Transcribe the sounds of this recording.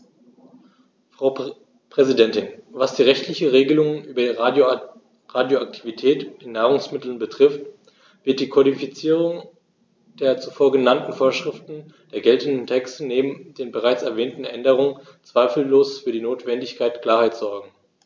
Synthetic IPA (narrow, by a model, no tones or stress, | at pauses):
fʁ̥aʊ | pʁ̥ɛzidɛntɪnvasd̥iːʁɛçtʰlɪçəʁeːɡəlʊŋənʔyːbɐi | ʁaːdjoak̚tʰivitʰɛːtɪnːaːʁ̞ʊŋsmɪtl̩nbətʁ̥ɪft | v̥ɪɐt̚d̥iːkʰɔɾifit͡siːʁ̞ʊŋ | d̥eːɐt͡sufoːɐɡənantn̩foːɐʃʁ̥ɪftn̩ | d̥eːɐɡɛltn̩dn̩tʰɛkstəneːbm̩deːnbəʁ̞aɪt͡sɛɐvɛːntn̩ʔɛndəʁ̞ʊŋən | t͡sv̥aɪfl̩ːoːsfyːɐdiːnoːtv̥ɛndɪçkʰaɪtkl̥aːɐhaɪtz̥ɔɐɡŋ̩